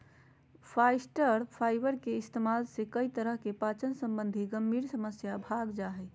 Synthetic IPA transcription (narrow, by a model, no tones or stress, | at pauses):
pʰajsʈəɾpʰajbəɾkeɪst̪emalsẽkəit̪əɾəɦkepat͡ʃənsəmbənd̪ʱiɡəmbʱiːɾsəməsjabʱaɡd͡ʒaɦɛ